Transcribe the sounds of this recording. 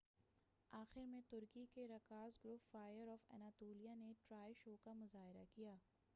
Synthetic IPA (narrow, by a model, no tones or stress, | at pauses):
aːxɪɾmẽt̪ʊɾkikeɾɐkaːzɡɾʊpfaːjəɾɔːfɛ̰naːt̪oːlijaneʈɾaːjʃoːkamʊzaːɦɪɾakijaː